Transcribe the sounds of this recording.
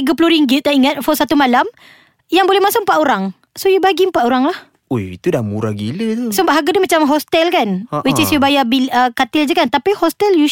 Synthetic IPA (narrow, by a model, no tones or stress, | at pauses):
ɡəpluɾiŋɡit̪̚ːaʔiŋat̪̚fɔsat̪umalam | jaŋbolɛhmãsʊk̚m̩pat̪oɾaŋ | sojubaɡim̩pat̪oɾaŋlah | ojḭt̪udamuɾaɡilət̪usəmbaʔɦaɡadəmat͡ʃamɦɔst̪ɛlkanwit͡ʃɪsjubajabiləkat̪ɪld͡ʒəkant̪apihɔst̪ɛlju